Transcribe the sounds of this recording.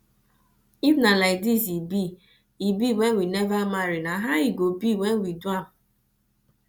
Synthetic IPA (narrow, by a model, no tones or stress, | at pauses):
ifnalaɪk̚disibi | ibiwenwinɛvamaɾinaɦaiɡobiwenwiduam̩